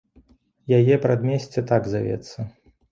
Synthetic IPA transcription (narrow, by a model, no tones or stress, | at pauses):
jajɛpɾad̪mʲɛsʲt͡sʲɛt̪aɡzʲavʲɛ̰t̪sːɐ